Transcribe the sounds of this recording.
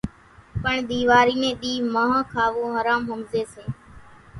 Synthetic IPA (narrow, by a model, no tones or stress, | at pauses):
pəɳɗ̪iːʋaːɾiːnẽːɗiːmaːɦãːkʰaːʋõːɦəɾaːmɦəmzeːseː